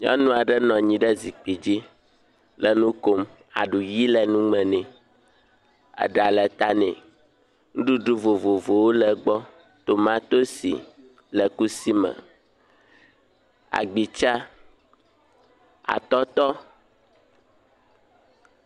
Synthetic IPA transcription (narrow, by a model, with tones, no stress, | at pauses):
ɲɔ̰̃˦nũ˦a˨ɖɛ˦nɔ̃˨ɲĩ˨ɖɛ˦zi˨k͡pi˨d͡ʑi˦ | lɛ˨nũ˦ko˦m | a̰˨ɖu˨ji˦lɛ˨nũ˦ŋ͡mɛ̃˨nɛ̃˨ | a̰˨ɖa˨lɛ˨t̪a˦nɛ̰̃˨ | ŋũ˦ɖu˦ɖu˦vo˨vo˨vo˨wo˦lɛ˨ɡ͡bɔ˦ | t̪o˨mã˦t̪o˦sḭ˨ | lɛ˨ku˦si˦mɛ̰̃˨ | a̰˨ɡ͡bi˨t͡ʃa˦ | a̰˨t̪ɔ˦t̪ɔ˦